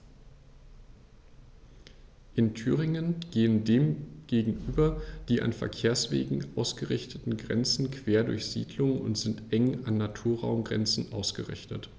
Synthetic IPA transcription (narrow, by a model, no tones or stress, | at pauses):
ʔɪntʰyːʁɪŋənɡ̥eːəndeːmɡ̥eːɡŋ̩ʔyːbɐd̥iːʔa̰nfɛ̰ɐkʰeːɐsv̥ḛːɡŋ̩ʔaʊsɡ̥əʁɪçtʰətn̩ɡʁɛ̰nt͡sn̩kʰv̥eːɐdʊɐçz̥ḭːdlʊŋʊ̰ntz̥ɪntʔɛŋanːatʰuːɐʁa̰ʊmɡʁɛ̰nt͡sn̩ʔa̰ʊsɡ̥əʁɪ̰çtət